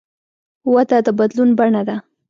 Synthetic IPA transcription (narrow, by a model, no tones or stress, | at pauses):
wat̪ad̪əbad̪lunbaɳad̪a